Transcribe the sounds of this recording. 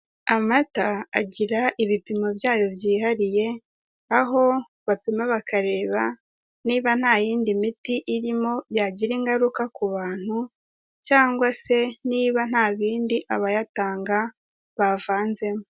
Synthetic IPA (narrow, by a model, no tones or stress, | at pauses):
amataa̰ɟiɾaʔiβipimobjaːjo̞βjiːhaɾije̞ | aɦo̞ | βapimaβakaɾe̞ːβa | niːβan̥haːjiːndimitiʔiɾimo̞jaɟiɾiŋɡaɾukakuβaːn̥hu | caːŋɡwase̞niːβan̥haːβiːndiʔaβajataːŋɡa | βavaːnze̞mo